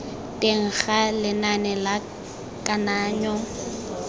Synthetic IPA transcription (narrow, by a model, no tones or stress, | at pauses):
tʼeŋ̩χalɪnanɛla | kʼanaːɲɔ